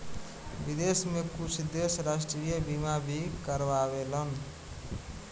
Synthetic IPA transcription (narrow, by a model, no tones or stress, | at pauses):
bid̪esmekut͡ʃʰd̪esɾasʈɾijəbimabʱikəɾbabelən